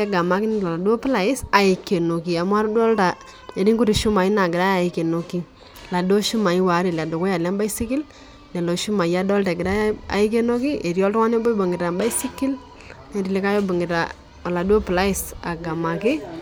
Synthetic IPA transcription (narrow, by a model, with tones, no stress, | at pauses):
ɛ˦ɡa˨ma˨kɪ˦nɪ˦la˨la˨du˦ɔ˦pla˨ɪ˦sa˨ɪ˨kːe˨no˨ki˨a˨mwa˦ɾdɔ˦lta˨ | e˨ɾi˦ŋkʊ˦ti˨ʃu˦ma˨i˦na˨ɡɪ˨ɾa˦a˨ɪ˨ke˨no˨ki˦ | la˨do˦ʃu˦ma˨i˦wa˨˦ɾi˨la˨do˨ko˦ja˨la˦mba˦i˦si˦kɪ˦l | nɛ˨lo˨ʃu˦ma˨ja˦dɔ˦lta˨ɡɪ˨ɾa˦ja˦a̰˨ɪ˦k̬e˦no˦ki˦ʔe˨ɾjɔ˦ltɔ˦wa˦ne˦bɔ˦bo˨ŋɡɪ˨ta˨mba˦i˦si˦ki˦l | ne˨ɾi˨le˦ka˦jo˦bo˨ŋɡɪ˨ta̰˨ | a˨la˨dwɔ˦pla˦ɪ˦sa˨ɡa˨ma˨kɪ˦